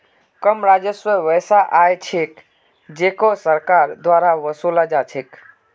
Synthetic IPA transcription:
kəmɾad͡ʒəswəʋəsaʔajt͡ʃʰek | d͡ʒekosəɾkaɾd̪waɾaʋəsulad͡ʒat͡ʃʰek

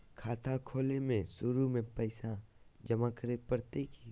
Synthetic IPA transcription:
kʰaːt̪ʰakʰoːlemẽsʊɾumẽpəɪsa | d͡ʒəmakəɾepəɾt̪eki

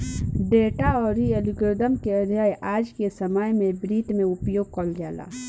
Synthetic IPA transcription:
ɖeːʈaɔːɾːiəlɪɡɾɪd̪əmkeəd̪ʱjaːjʔaːd͡ʒkesəmaːjmẽbɾiːt̪mẽʊpjoːɡ̚kɔlɡjaːla̰ː

